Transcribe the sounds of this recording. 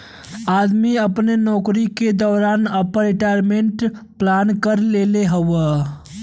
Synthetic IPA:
aːd̪miəpnenɔːkɾiked̪ɔːɾaːnəpəɾɪʈajɾmeɳʈplankəɾleleɦəwə

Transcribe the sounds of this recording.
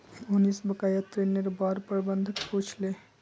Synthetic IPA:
unisbəkajat̪ɾeneɾbaɾpəɾbənd̪ʱput͡ʃʰle

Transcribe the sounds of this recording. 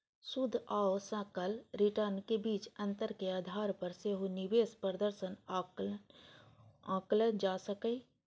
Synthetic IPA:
sʊd̪ʱaːosə̃kəlɾɪʈəɾnkebiːt͡ʃɐ̃nt̪əɾkeaːd̪ʱaːɾpɐɾseɦonɪʋeːspɾəd̪əɾsən | ãːklənd͡ʒaːsəkəi

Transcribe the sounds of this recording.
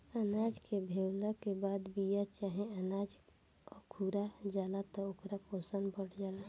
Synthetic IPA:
ənad͡ʒkebʱewləkebaːd̪bijat͡ʃaːɦẽənad͡ʒ | kʰuɾad͡ʒaːlat̪ɔokɾakosənbəɽd͡ʒaːla

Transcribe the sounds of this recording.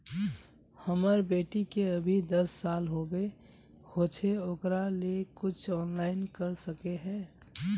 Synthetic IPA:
həməɾbeːʈikeəbʱid̪əsːaːlɦobe | hoːt͡ʃʰeoːkɾalekʊt͡ʃʰɔːnlaːɪnkəɾsəkeɦɛ̃ː

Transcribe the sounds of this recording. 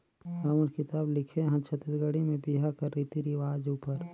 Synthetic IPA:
aməɾkɪt̪aːblɪkʰeɦɐ̃t͡ʃʰɐt̪əɡəɽimẽbiɦakəɾːiːt̪iɾiʋaːd͡ʒuːpəɾ

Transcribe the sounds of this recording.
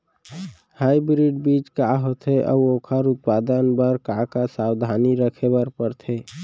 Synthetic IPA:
haibɾiɖbit͡ʃkaɦot̪ʰeʔɔ̰okʰəɾʊt̪̚pad̪ənbəɾkakasawd̪ʱaniɾəkʰebəɾpəɾt̪ʰe

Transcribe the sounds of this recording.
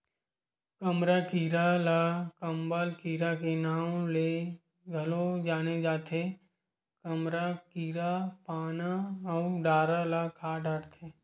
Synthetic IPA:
kəmɾakiːɾalakəmbalkiːɾakenaːwle | ɡʱəlod͡ʒaːned͡ʒaːt̪ʰe | kəmɾakiːɾapaːnaɔɖaːɾalakʰaːɖaːɽt̪ʰe

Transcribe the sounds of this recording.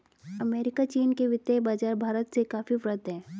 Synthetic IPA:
ɐmeːɾɪkat͡ʃiːnkeʋɪt̪jabaːd͡ʒaːɾbʱaːɾət̪sekaːfifɾət̪ɦɛ̃ː

